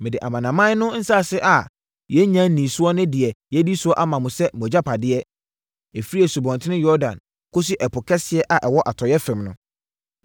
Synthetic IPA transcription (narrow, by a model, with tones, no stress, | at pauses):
mɪ̃˨dɪ˨ʔa˨mã˨nã˨mã˦n˦nʊ̃˦n̩˦sa˦˨sɪ˦ʔa˨ | jɛ˦ɲã˦nĩ˨sʊ˦ɔ˦nʊ̃˦dɪ˨ɛ˨jɛ˦di˦sʊ˦ɔ˦ʔa˦mã˨mʊ̃˨sɛ˦mɔ˨d͡ʑa˦pʰa˨dɪ˦ɛ˦ | e˨fi˦ɛ˨su˨bɔ̃˨ntʰɪ̃˦nɪ̃˦jɔ˦ɾdã̰˨n | kʰo˦s̬u˦ʔɛ˨pʊ˨kʰɛ˦sɪ˦ɛ˦ʔa˨ʔɛ˨wɔ˦ʔa˨tʰɔ˨jɛ˦fɛ̃˨mnʊ̃˦